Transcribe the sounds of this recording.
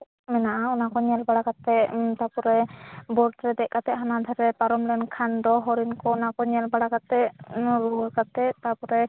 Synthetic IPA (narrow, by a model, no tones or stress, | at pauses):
mɛnaʔaɔnakɔɲɛlbaɽakat̪ɛʔt̪apɔɾɛbɔɾtɾɛd̪ɛʔ̚kat̪ɛʔɦanad̪ʱɛɾɛpaɾɔmlɛnkʰand̪ɔɦɔɾinkɔɔnakɔɲɛlbaɽakat̪ɛʔɾukat̪ɛʔt̪apɔɾɛ